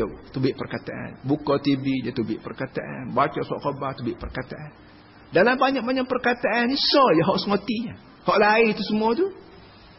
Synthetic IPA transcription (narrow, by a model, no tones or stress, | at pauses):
at̪ubɪʔpərkat̪aʔa̰nbukɔt̪ibidat̪ubɪʔpərkat̪a̰ʔa̰nbat͡ʃasɔ̰ʔkobaht̪ubɪʔpərkat̪aʔan | dalambaɲak̚baɲak̚pərkat̪aʔːnisɔjaɦɔʔsəŋot̪iɲa | hɔʔlait̪usəmuat̪u